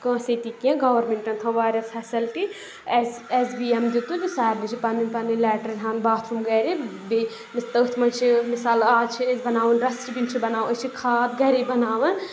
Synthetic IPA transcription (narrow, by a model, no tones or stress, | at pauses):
kɐ̃ːset̪ikijãɡaːʋɐɾmẽɳʈɐnt̪ʰɐʋaːjɾɐsɦɐsɐlʈi | sesbiemd̪it̪ud͡ʒusaːiblit͡ʃʰipɐnipɐnilɛːʈɐɾnɦaːnbaːt̪ʰɾumɡɐːɾebe | mist̪ɐɨt̪ʰmɐnt͡ʃʰimisaːlaːt͡ʃʰibɐnaːʋɐnɾɐsʈibint͡ʃʰibɐnaːwɐt͡ʃʰikʰaːt̪ɡɐɾibɐnaːʋɐn